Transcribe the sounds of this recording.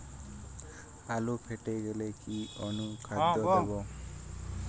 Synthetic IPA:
alupʰeʈeɡelekiɔnukʰad̪ɔeβɔ

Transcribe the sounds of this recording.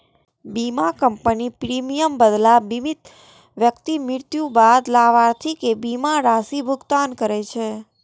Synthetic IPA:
bimakəmpənipɾimijəmbəd̪labimit̪ | ʋjəkt̪imɪɾt̪jũbad̪laʋaɾt̪ʰikebimaɾasibʱʊɡt̪ankəɾet͡ʃʰe

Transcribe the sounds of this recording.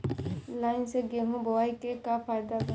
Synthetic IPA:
laːɪnseɡeɦũboʋaːikekapʰaːjd̪ak

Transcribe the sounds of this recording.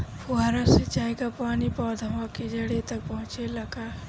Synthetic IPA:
pʊaːɾaset͡ʃaːekapaːnipɔːd̪ʱəʋãked͡ʒɐɽet̪ɐk̚pɐɦʊ̃t͡ʃelɐɡa

